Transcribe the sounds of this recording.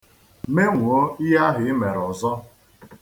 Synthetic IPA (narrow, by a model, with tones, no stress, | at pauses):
me˦ŋʷu˨o˦i˦ja˦ɦɪ˨ɪ˦me˨ɾɔ˨zɔ˦